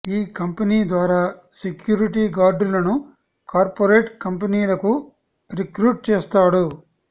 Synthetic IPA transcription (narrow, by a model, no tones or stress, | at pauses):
iːkɐmpɐniːd̪ʋaːɾaː | sekjuːɾiʈiːɡaːɾɖlɐnu | kaːɾpoɾeːʈkɐmpɐniːlɐku | ɾikɾuːʈ̚t͡ʃɛːst̪aːɽu